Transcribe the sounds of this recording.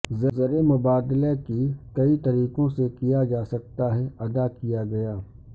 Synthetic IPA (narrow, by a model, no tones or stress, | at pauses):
zɐzɐɾemʊbaːd̪lekikɐit̪ɐɾiːqõsekijad͡ʒaːsɐk̚t̪aɦɛɐd̪akijaɡɐjaː